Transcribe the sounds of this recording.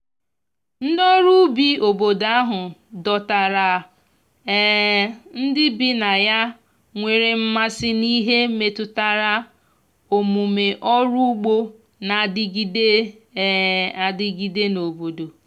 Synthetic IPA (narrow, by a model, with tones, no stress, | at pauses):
n̩˦dɔ˦ɾu˦bi˦o˨bo˨da˦ɦʊ˨dɔ˨ta˨ɾa˨ | ɛ˦n̩˦dɪ˦bɪ˦na˨ja˦ | ŋʷe˨ɾe˨m̩˦ma˦sɪ˦ni˦ɦe˦me˨tʊ˦ta˦ɾa˦ | o˨mu˨me˨ʔɔ˦ɾu˦u˦ɡ͡bo˦ | na˨dɪ˦ɡi˦de˦ | a˨dɪ˦ɡi˨de˦no˨bo˨do˨